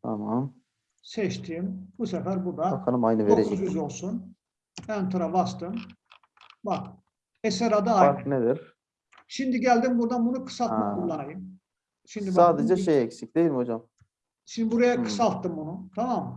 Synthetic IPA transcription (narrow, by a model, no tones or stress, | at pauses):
t̪ʰamam | sɛʃt̪ʰiːmbusɛfæɾbuɾd̪akʰanɯmajnɯveoɾeuzyzo̞lˠsun | ænt̪ʰɯɾavast̪ɯm | bak | esɛɾad̪aaaɾned̪ɪɾ | ʃimd̪iɟælʲd̪imbuɾd̪anbunukʰɯ̥salt̪mʰulˠːanajɯm | ʃimd̪isaːd̪ed͡ʒɛʃejɛksic̚d̪ejilʲimhod͡ʒam | ʃinbuɾajakʰɯ̥salˠt̪ːɯmbunut̪ʰamam